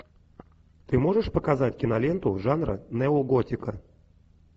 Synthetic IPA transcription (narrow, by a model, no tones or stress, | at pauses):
t̪ɨmo̞ʐɨʂpəkazatʲkʲɪnɐlʲent̪ʊʐanɾə̰nɛʊɡotʲɪkə